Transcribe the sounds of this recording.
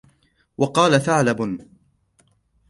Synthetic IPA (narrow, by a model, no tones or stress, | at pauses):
wɑqɑːlaθaʕlabn